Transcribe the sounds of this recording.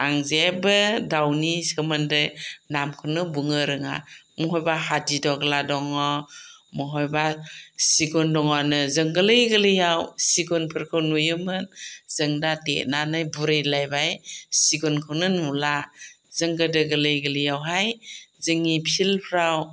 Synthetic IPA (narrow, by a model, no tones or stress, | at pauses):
aŋzabɯdawnisɯmɯndɯnamkʰɯnɯbuŋɯɾɯŋa̰ | mɔɦɔjbahadidɔɡladɔŋɔmɔɦɔjbasiɡɔndɔŋɔnɯzɯŋɡɯlɯjɡɯlɯjawsiɡɔnpʰɯɾkʰɯwnujɯmɯnz̥ɯŋdatḛʔnanɯjbuɾejlajbajsiɡɔnkʰɯwnɯnula | zɯŋɡɯdɯɡəlɯjɡəlijawɦajzɯŋipʰilpʰɾaw